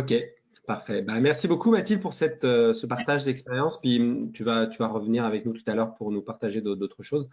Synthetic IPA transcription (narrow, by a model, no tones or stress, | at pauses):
ɔkʲe | paʁfɛbamɛʁsibokumat̪ilpuʁsɛt̪øsəpaʁt̪aʒd̪ɛkspeʁjɑ̃spɥit̪yvat̪yvaʁəvəniʁavɛk̚nut̪u̥t̪alœʁpuʁnupaʁt̪aʒed̪od̪ot̪χəʃoz